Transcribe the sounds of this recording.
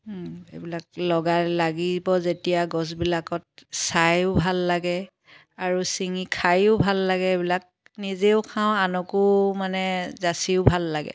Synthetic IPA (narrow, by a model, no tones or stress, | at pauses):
ḛbilak̚lɔɡalaɡibɔzetijaɡɔs̬bilakɔt̚sajʊbʱalːaɡɛ | aɹusiŋikʰajʊʊbʱalːaɡɛebilak̚ | nizeʊkʰãʊ̃anɔkʊmanɛzasiʊbʱalːaɡɛ̰